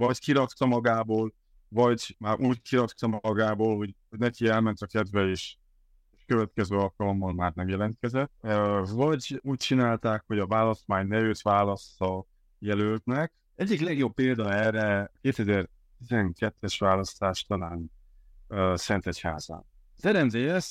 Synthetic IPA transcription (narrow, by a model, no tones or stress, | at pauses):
vɒɟkiɾɒk̪t̪ɒmɒɡaːboːl | vɒɟmaːɾʔuːɟkiɾɒt̪t̪ɒmɒɒɡaːboːlho̞ɟhoɟnɛkiɛlmɛnt̪ɒkɛd̪vɛeːʃ | ʃkø̞vɛt̪kɛzøːɒlkɒlo̞mːɒnmaːrnɛmjɛlɛnt̪̚kɛzɛt̪ːvɒɟuːc̚t͡ʃinaːlt̪aːkho̞ɟɒvaːlɒst̪maːɲnɛjøt̪ʋaːlɒst̪ɒ | jɛlølt̪nɛk̚ | ɛɟːiklɛɡjo̞pːeːld̪ɒɛːrɛkeːt̪ɛzɛr | t̪izɛŋkɛt̪ːɛʃʋaːlɒst̪aːʃt̪ɒlaːn | øsɛnt̪ɛcha̰ːz̥a̰ːn | zɛɾɛnzeːjɛs